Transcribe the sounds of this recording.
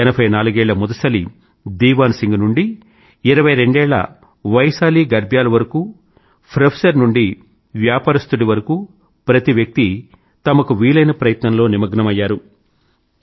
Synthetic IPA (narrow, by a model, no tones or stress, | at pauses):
ɛnɐpʰɐjnaːluɡɛːɭːɐmud̪ɐsɐlḭ | d̪iːʋaːnsiŋɡunuɳɖiː | ɾɐʋɐjɾe̞ɳɖɛːɭːɐ̰ | ʋɐjsaːliːɡɐɾbʱjaːlɐʋɐɾɐku | pʰɾɐpʰsɐɾnuɳɖi | ʋjaːpaːɾist̪uɽiʋɐɾɐkuː | pɾɐt̪iʋjɐk̚t̪i | t̪ɐmɐkuʋiːlɐjnɐpɾɐjɐt̪nɐmlo̞ːnimɐɡnɐmɐjːaːɾu